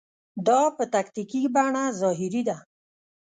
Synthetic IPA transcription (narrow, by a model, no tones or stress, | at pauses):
d̪ɑpət̪akt̪ikibaɳazɑɦɪɾid̪a